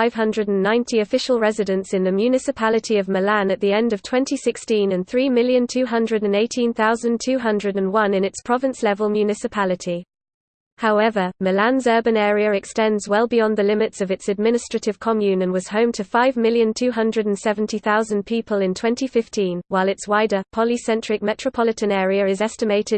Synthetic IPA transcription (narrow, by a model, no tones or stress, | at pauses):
fɪv̥ɦʌ̃ndɹədə̃n̩ːãɪ̃ntʰiəfɪʃəlˠɹɛzɪdə̃nsɪ̃nðəmjʉnɪsɪpʰalɪtʰiəvməlãnəʔðiɛ̃ndəv̥tʰw̥ɛ̃ntisɪkstĩnə̃nθɹiːmɪljə̃ntʰʉːɦʌ̃ndɹədə̃neɪtʰĩnθaʊzə̃ntʰʉːɦʌ̃ndɹədə̃nwʌ̃nɪ̃nɪtspʰɹ̥ɒvɪ̃nslɛvəlˠmjʉnɪsɪpʰalɪtʰi | haʊɛvəməlãnzɜːbə̃nɛːɹiəɹɛkstɛ̃ndzwɛlˠbɪjɒ̃nðəlɪ̃mɪtsəvɪtsəd̚mɪ̃nɪstɹ̥ətɪv̥kʰɒmjʉ̃nə̃nwɒz̥hə̃ʊ̃mtʰəfaɪvmɪlˠjə̃ntʰʉːɦʌ̃ndɹədə̃nsɛvə̃ntʰiθaʊzə̃npʰiˑpʰəlɪ̃ntʰw̥ɛ̃ntifɪftĩnwaɪlˠɪtswaɪdəpʰɒlisɛ̃nt͡ʃɹ̥ɪk̚mɛt͡ʃɹ̥əpʰɒlɪtə̃nɛːɹiəɹɪzɛstɪmeɪtʰɪd̥